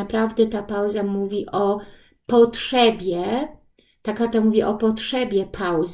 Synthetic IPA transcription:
apɾavd̪ɛt̪apawzamuvʲiʔɔ | pɔtʂɛbʲjɛ | t̪akat̪amuvʲiʔɔpɔtʂɛbʲjɛpʰawz

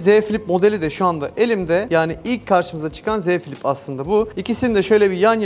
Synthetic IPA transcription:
zefilʲipmo̞d̪elʲid̪ɛʃuand̪aʔe̞lʲimd̪ɛjaːniilʲc̚kʰːaɾʃɯmɯzat͡ʃʰɯ̥kʰanzɛfʲilʲipʰaslˠɯnd̪abuicisinid̪ɛʃø̞jlʲɛbijanj

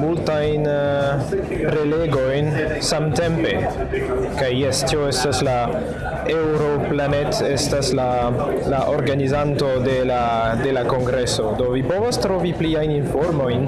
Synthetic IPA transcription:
multajn | pɾe̞leɡo̞jn | samte̞mpe̞ | kajːestio̞estasla | ewɾo̞planetestasla | laʔoɾɡanizanto̞de̞la | de̞lako̞ŋɡɾe̞so̞do̞vipo̞vostɾo̞vipliajninfo̞ɾmo̞jn

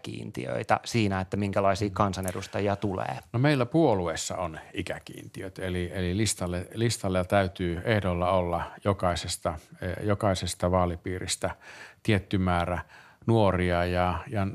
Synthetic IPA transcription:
kḭːnt̪ḭø̰it̪æ̰siːnæet̪ːæmiŋkælɑisiːkɑnsɑnedust̪ɑjiɑt̪ulḛːnomeilːæpuoluesːɑ̰onikækḭːnt̪iøt̪elielilist̪ɑlːelist̪ɑlːet̪æyt̪yːehdolːɑolːɑjokɑisest̪ɑjokɑisest̪ɑʋɑːlipiːrist̪æt̪iet̪ːymæːræ | nuoriɑjɑjɑ

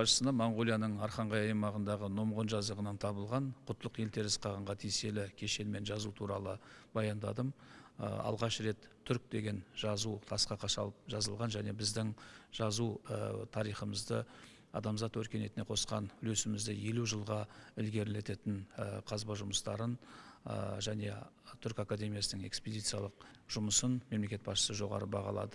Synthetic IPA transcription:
ɑʃə̥sənɑmoɴʁo̞lijanəɴɑɾχɑɴʁɑjɑjmɑʁənd̪ɑʁəno̞mʁo̞nʒɑzd̪əʁənɑnt̪ʰɑbəlˠʁɑnqʰʊt̪ʰːəlˠəqje̞lt̪ʰe̞ɾɪsqʰɑʁəɴʁɑt̪ʰijse̞lɪkʲʰe̞ʃe̞lme̞nʒɑzut̪ʰuɾɑlˠəbɑjɑnd̪ɑ̰d̪əmə̰ɑ̰lˠʁɑʃɾe̞t̪ʰːʏɾk̚d̪e̞ɡʲe̞nʒɑzut̪ʰɑsqɑqʰɑʃɑlˠəp̚ʒɑzəlˠʁɑnʒæne̞bɪzd̪ɪŋʒ̥ɑzut̪ʰɑɾijχəməzd̪ə | ɑ̰d̪ɑmzɑt̪wɵɾkʲe̞ne̞t̪ɪneqʰo̞sqɑ̰nʏlesɪmɪzd̪ɪje̞luʒəlˠʁɑʏlɡʲe̞ɾɪle̞t̪e̞t̪ɪnəqʰɑzbɑʒʊməst̪ɑɾən̰ | ʒæne̞ | t̪ʰʏɾkakad̪e̞mʲijasənəŋe̞̰ksped̪ijt̪sɨjɑlˠəq̚ʒ̥ʊməsənme̞mle̞kʲe̞t̪̚bɑsʃə̥səʒo̞ʁɑ̰ɾəbɑʁɑ̰lˠɑ̰d̪ə

